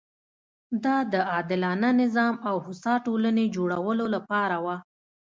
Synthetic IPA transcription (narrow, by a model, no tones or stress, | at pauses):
d̪ɑd̪əɑd̪ɪlɑnanɪzɑmawhʊsɑʈolaned͡ʒoɽawəlolapɑɾawa